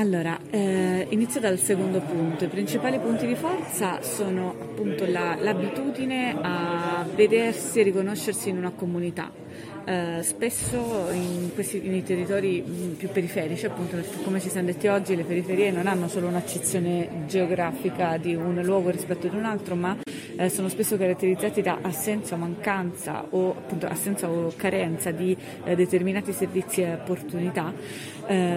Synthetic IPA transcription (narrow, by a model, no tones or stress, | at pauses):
alːoːɾaɛinit̪sjod̪alsekond̪opunt̪oipɾint͡ʃipaːlipunt̪id̪ifɔrt̪sasoːnoʔapːunt̪olalabit̪uːd̪ineaved̪ersierːikonoʃːersiːnunakomunit̪a̰ | spesːoinkwest̪inejt̪erːit̪ɔːɾipjupːeɾifɛːɾit͡ʃiapːunt̪oɛkekːomet͡ʃisɛnːod̪et̪ːiɔd͡ʒːilepeɾifeɾiːenonanːosoːlounat͡ʃːet̪sːjoːned͡ʒeoɡɾaːfikad̪iunlwɔːɡoɾispɛt̪ːod̪iunalt̪ɾoma | soːnospesːokaɾat̪ːeɾid̪zːaːt̪id̪a̰ʔasːɛnt̪saomaŋkant̪sa̰oa̰pːunt̪o̰ʔa̰sːɛnt̪saokaɾɛnt̪sad̪i | d̪et̪erminaːt̪iservit̪sːieopːort̪unit̪a